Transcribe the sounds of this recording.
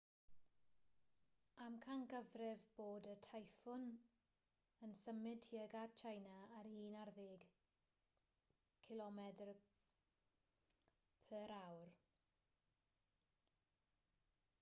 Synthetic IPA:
amkʰanɡəvrɛvboːdətʰajfʊn | ənsəmɪd̥tiːəɡadt͡ʃʰajnaːrhiːnarðɪɡ | kʰɪlɔmɛdr | pʰəɾawr

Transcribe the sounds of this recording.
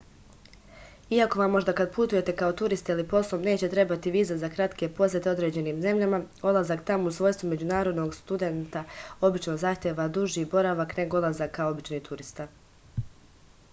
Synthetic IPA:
iako̞ʋamːo̞ʒd̪akad̪put̪uje̞t̪e̞kao̞t̪uɾist̪ilipo̞slˠomne̞ːt͡ɕe̞t̪ɾe̞bat̪iʋiːzazakɾat̪ke̞po̞set̪eo̞d̪ɾe̞ːd͡ʑe̞niːmze̞mʎama | od̪lˠazakt̪amousʋo̞jst̪ʋome̞d͡ʑunaːɾo̞d̪no̞ɡst̪ud̪e̞nt̪ao̞bit͡ʃno̞zaxt̪ʲjeʋad̪uʒiːbo̞ɾaʋakne̞ɡoolˠazakːao̞bit͡ʃnit̪ʰuɾist̪a

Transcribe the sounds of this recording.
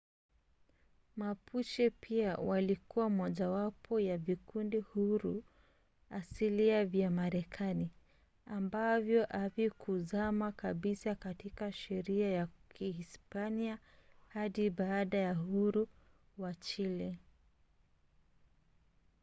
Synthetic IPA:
mapʰut͡ʃɛpʰiawʔalikuwamwɔʄawapʰɔjavikundihuɾu | asiliavjamaɾɛkʰani | ambavjɔʔavikʰuzamakaɓisakatikaʃɛɾiajakʰihispania | haɗiɓaːɗajahuɾu | wat͡ʃilɛ

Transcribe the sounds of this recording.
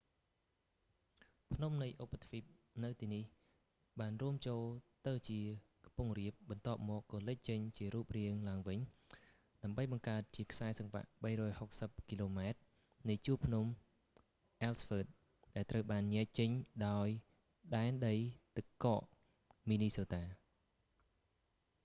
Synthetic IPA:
pʰnumnɨjʔopʰːat̪ʰfip̚nɨwt̪iːnih | ɓaːnruəmt͡ɕoːlt̪ɨwt͡ɕiəkpuŋriəp̚ɓɑnt̪ŏəp̚mɔːkkɑːlɨc̚t͡ɕəɲt͡ɕiəɾuːp̚riəŋlaəŋʋɨɲ | ɗaəmɓəjɓɑŋkaət̪̚t͡ɕiəkʰsaɛsɑŋʋa̰ʔɓəjrɔːjhok̚səp̚kiloːmaɛt̪̚ | nɨjt͡ɕuːpʰnum | ʔalsfəːt̪̚ | ɗaɛlt̪rəwɓaːnɲɛəc̚t͡ɕɨɲɗaɔj | ɗaɛnɗəjt̪ɨkːɑːʔ | miːniːsoːt̪aː

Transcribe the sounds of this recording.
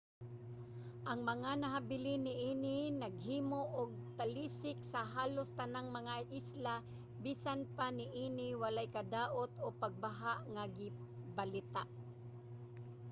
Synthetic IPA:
ʔɐŋmɐŋanaɦabɪlɪnɪʔiːnɪnɐɡɦiːmoʔːɡ̚t̪aliːsɪksɐɦaːlʊst̪anaŋmɐŋaʔɪsla | biːsanpanɪʔiːnɪwalajkad̪aːʔot̪opaɡ̚baɦaʔŋaɡɪbalɪt̪aʔ

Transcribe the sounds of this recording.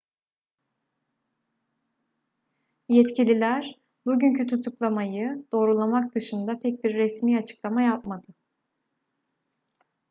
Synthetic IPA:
jɛt̪cilʲilʲæɾ | buɟyncʰyt̪ʰut̪ʰuklˠamajɯd̪̥o̞ːɾulˠamak̚d̪̥ɯʃɯnd̪apʰɛc̚biɾːɛsmiːat͡ʃʰɯ̥klˠamajap̚mad̪ɯ

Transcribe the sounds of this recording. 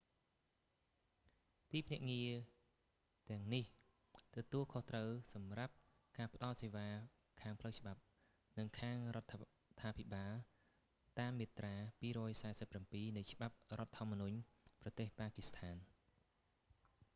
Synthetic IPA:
t̪iːpʰnɛ̆əʔŋiə | t̪ɛ̆əŋnih | t̪ɔt̪uəlkʰoht̪rəwsɑmrap̚ | kaːpə̆ɗɑlseːʋaː | kʰaːŋpʰləwt͡ɕə̆ɓap̚ | nɨŋkʰaːŋrŏət̪ʰː | t̪ʰːaːpʰiɓaːl | t̪aːmːeːt̪raːpiːɾɔːjsaɛsəpːrampiːnɨjt͡ɕə̆ɓap̚rŏət̪ʰːŏəmːɔnuɲprɑt̪eːhpaːkist̪ʰaːn

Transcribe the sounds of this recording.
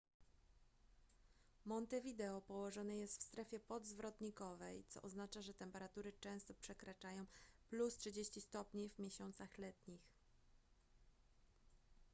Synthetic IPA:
mɔnt̪ɛvʲid̪ɛɔpɔwɔʐɔnɛjɛst̪fst̪ɾɛfʲjɛpɔd̪zvɾɔt̪ɲikɔvɛjt̪sɔ̰ʔɔznat͡ʂaʐɛt̪ɛmpɛɾat̪uɾɘt͡ʂɛ̃w̃st̪ɔpʂɛkɾat͡ʂajɔ̃w̃plustʂɘd͡ʑeɕt͡ɕist̪ɔpɲivmʲjɛɕɔnt̪saxlɛt̪ɲix

